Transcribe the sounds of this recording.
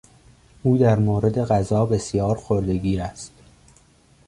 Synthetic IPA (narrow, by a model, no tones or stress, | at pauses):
ʔuːd̪æɾmoːɾe̞d̪e̞ɣæzɒːbe̞sjɒːɾxoɾd̪e̞ɡiːɾæst̪